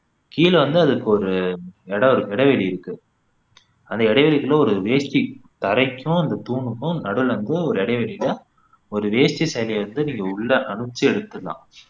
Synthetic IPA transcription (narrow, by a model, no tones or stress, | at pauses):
kiːlʋɐnd̪ɯɐðɯkːɯɔɾɯɛɽɐɔɾɯɛɽɐʋeɭiɪɾɯkːɯ | ɐnd̪ɐɪɽɐɪʋɛɭɪɣɐlɔɾɯʋeːʂt͡ʃit̪ɐɾɐɪkːʊ̃ɐnd̪ɐt̪uːɳɯkːʊ̃nɐɽɯlʋɐnd̪ɯɔɾɯɛɽɐʋɛɭɪlɐ | ɔɾɯʋeːst͡ʃːisɐjlɛʋɐnd̪ɯniːŋɡɐʊɭːɐʔɐɳɯt͡ʃːiɛɽɯt̪ːɯlã̰ː